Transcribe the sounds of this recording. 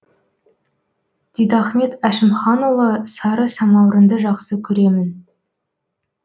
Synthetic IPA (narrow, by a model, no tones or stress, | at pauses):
d̪̥ijd̪ɑχme̞t̪æʃɪmχɑnolˠəsɑɾəsɑmɑwɾənd̪əʒɑqsəkʲʰɵɾe̞mɪn